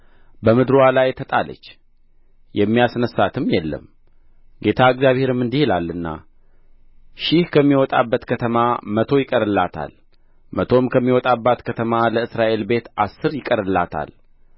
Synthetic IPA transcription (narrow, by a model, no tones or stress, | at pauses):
bəmɨd̪ɾwalajt̪ʰət̪ʼalə̰t͡ʃː | jɛmːijasnəsːat̪ʰɨmjɛlːə̰m | ɡe̞t̪ʰaɨɡzjaβhe̞ɾɨmːɨnd̪ihilalːɨnːa̰ | ʃɪhkʰəmːiwɔt̪ʼa̰bːət̪kʰət̪ʰəmamət̪ʰo̞jɪkʼəɾɨlːat̪ʰa̰l | mət̪ʰo̞mkʰəmːiwɔt̪ʼabːat̪kʰət̪ʰəmaləɨsɾaʔe̞lbe̞t̪asːɨɾjɪkʼəɾɨlːat̪ʰa̰l